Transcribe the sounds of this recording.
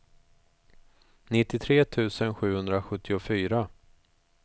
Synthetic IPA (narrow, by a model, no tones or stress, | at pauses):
nɪt̪ːɪt̪ʰɾeːt̪ʰʉ̟ːsənɧʉ̟ːhɵnd̪ɾaɧɵt̪ːɪʊfyːɾa